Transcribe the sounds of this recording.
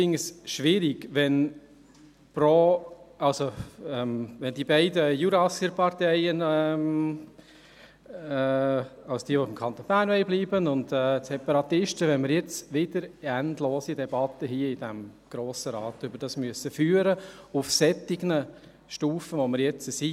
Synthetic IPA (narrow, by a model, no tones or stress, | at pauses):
sɪŋəsʃʋɪɾiɡʋɛn | pɾoːɑlsoɛmʋɛndiːbɛɪdəjuɾɑsəɾpʰɑɾtɛɪənɛm | ɑlsd̥iːəʋoɪmkʰɑnt̪onbæːnʋɛɪlbliːbənʊndɛːtsɛpɑɾɑt̪ɪʃtəʋɛnmɪɾjɛt͡sʋɪd̥əɾændloːsidɛbɑtːəɦiəid̥æmɡ̥ɾoːsəɾɑːt̪ʏbəɾd̥ɑsmyəsəfyːəɾəufsɛtːɪɡnə | ʃtuːfəʋoməɾjɛt͡səsi